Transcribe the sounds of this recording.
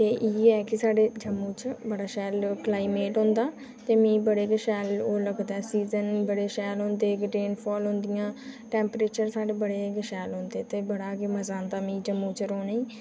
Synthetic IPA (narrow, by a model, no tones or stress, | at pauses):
t̪eːʔiːɛːkisaːɖeːd͡ʒəmːũːt͡ʃbəɽaːʃɛːlklaːiːmeːʈɦõːnd̪aː | t̪eːmĩːbəɽeːɡəʃɛːloːləɡd̪aːɛsiːzənbəɽeːʃɛːlɦõːnd̪eːkɖeːnpʰɔːlɦõːnd̪ɪjãːʈɛ̃ːmpɾeːt͡ʃəɾsaːɖeːbəɽeːɡəʃɛːlɦõːnd̪eːt̪eːbəɽaːkeməzaːnd̪aːmĩːd͡ʒəmːuːt͡ʃəɾoːneiː